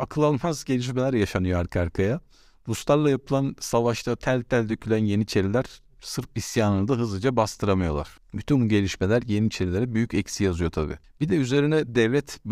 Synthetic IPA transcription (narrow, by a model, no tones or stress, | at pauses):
akʰɯlˠanfazɟe̞lʲiʃ̬melʲæɾjaʃanɯjo̞aɾkʰaɾkʰaja | bust̪ˠaɾlˠajapʰɯlˠansavaʃt̪ʰat̪ʰælʲt̪ʰːælʲd̪øcʰylʲænje̞nit͡ʃʰe̞ɾilʲæɾ̥ | sɯɾfisjaːnɯnd̪aɦɯzˠɯd͡ʒabast̪ʰɯɾamɯjo̞̰lˠa̰ɾ̥ | byt̪ʰynbuɟe̞lʲiʃmelʲæɾje̞nit͡ʃʰe̞ɾilʲe̞ɾɛbyjycɛcsijazɯjo̞t̪ʰabḭː | b̥id̪ɛyze̞ɾinɛd̪ɛvlʲɛt̪